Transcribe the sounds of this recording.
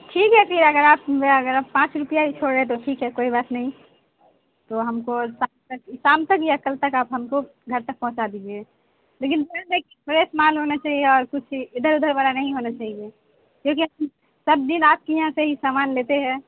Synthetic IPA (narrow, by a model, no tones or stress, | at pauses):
ʈʰiːkɦɛpʰɪɾɐɡəɾaːpɐɡəɾaːpːãːt͡ʃɾʊpijaɦit͡ʃʰoːɽɾəet̪̬oʈʰiːkɦɛkoːibaːt̪nəɦĩ | t̪oɦɐmkosaːmt̪əksaːmt̪əkjəkəlt̪əkaːpɦɐmko | ɡʱɐɾt̪ək̚pɔ̃ɦʊ̃t͡ʃad̪id͡ʒe | leːkɪnd̪ənd̪ekipɾesmaːlɦonat͡ʃaːɦieɔːɾkʊt͡ʃʰɪd̪ʱəɾʊd̪ʱəɾbaɾanɐɦĩɦonat͡ʃaːɦie | kjõːk̬iɦɐm | sɐb̚d̪inaːp̚kijɦãseɦisaːmaːnleːt̪eɦɛ̃ː